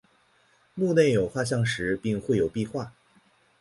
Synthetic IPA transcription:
mu˥˧ne˥˩ɪjo˨˩ʊxwa˥˧ɕ̬jɑ˥˩ŋʂɻ̩˧˥pi˥˧ŋxwe˥˩ɪjo˨˩ʊpi˥˧xwa˥˩

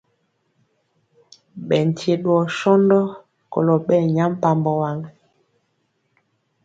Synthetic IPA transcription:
ɓɛ˨n˨tje˨ɗwɔ˨ʃɔ˦ndɔ˦ | kɔ̰˨lɔ˨ɓɛ˦˨ɲa˦m˦pa˨mbɔ˨wa˨ŋ

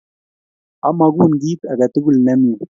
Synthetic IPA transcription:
ʔa˦ma˨ɡu˦nɡiː˦t̪a˨ɡa˨t̪u˦ɡu˦˨lna˦mi˨

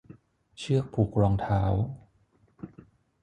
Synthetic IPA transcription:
t͡ɕʰɯ˥˩ək̚pʰuː˨˩k̚ɾɔː˧ŋt̪ʰaː˩˦w

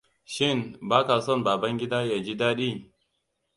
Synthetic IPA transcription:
ʃɪ˦˨nbaː˦ka˨sɐ˦˨mbaː˨bɐ˦ŋɡʲɪ˦daː˦jaː˨d͡ʒi˦daː˦ɗiː˦˨

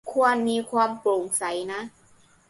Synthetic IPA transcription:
kʰu˧ənmiː˧kʰwaː˧mplo˨˩˦ŋsa˩˦jna˦˥ʔ

